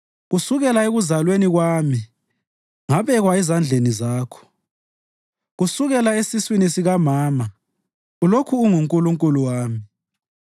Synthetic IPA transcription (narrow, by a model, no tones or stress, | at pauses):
ɣusuɣɛlaeɣuzalweniɣwaːmi | ŋaβɛɣwaɛzand͡ɮʱenizaːkʰɔ̥ | ɣusuɣɛlaesiswinisiɣamaːma | ulokʰuːŋuŋkʼuluŋkʼuluwaːmi